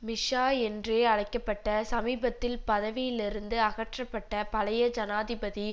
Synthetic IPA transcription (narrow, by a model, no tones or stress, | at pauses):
mɪʂaːɛndreːɐɻɐɪkːɐpːɐʈːɐsɐmiːbɐt̪ːɪlpɐðɐʋɪjɪlɪɾɯnd̪ɯɐɣɐʈrɐpːɐʈːɐpɐlɐjɐd͡ʒɐnaːðɪbɐði